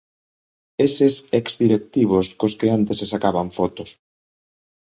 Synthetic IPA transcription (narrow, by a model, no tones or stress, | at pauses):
esesekzd̪iɾek̚t̪iβoskoskeant̪esesakaβaɱfɔt̪ʊs